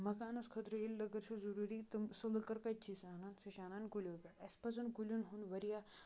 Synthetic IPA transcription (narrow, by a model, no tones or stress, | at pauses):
mɐkaːnɐskʰɐt̪ɾɐilːɐɡɐɾt͡ʃʰuzuɾuːɾit̪ɨsɐlɐkɐɾkɐt͡ʃʰisaːnansiʃaːnaːnɡulʲoːpʲeɽɐspɐt͡sɐnɡulʲunɦunʋɐɾija